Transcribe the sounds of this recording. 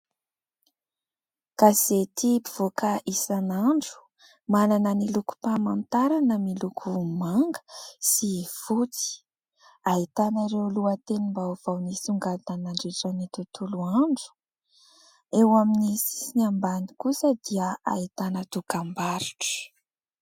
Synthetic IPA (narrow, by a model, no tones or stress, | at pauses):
kaz̥et̪ipiv̥okəʔisanaɳɖ͡ʐu̥ | mananəniluku̥pamant̪aɾanəmilukʰumaŋɡə̥siv̥ut͡si̥ | ait̪anaɾewluət̪enimbav̥awnisuŋɡad̪anaɳɖ͡ʐeʈ͡ʂənit̪ut̪uluaɳɖ͡ʐu̥ | ewaminisiiniambanikusəd̪iəait̪anət̪ukambaɾiʈ͡ʂə̥